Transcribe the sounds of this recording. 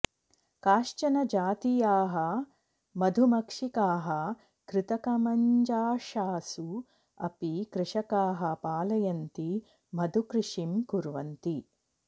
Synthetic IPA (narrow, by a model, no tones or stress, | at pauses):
kaːʃt͡ʃɐnɐd͡ʒaːt̪ijaːɦɐ | mɐd̪ʱumɐkʂikaːɦɐ | kɾɪt̪ɐkɐmɐɲd͡ʒaːʃaːsu | ɐ̰pikɾɪʂɐkaːɦɐpaːlɐjɐnt̪i | mɐd̪ʱukɾɪʂimkuɾʋɐnt̪i